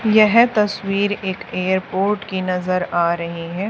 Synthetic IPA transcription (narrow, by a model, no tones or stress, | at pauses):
jɛɦt̪ɐswiːɾeːkeːəɾpoːɾʈkinɐzəɾaːɾɐɦiɦɛː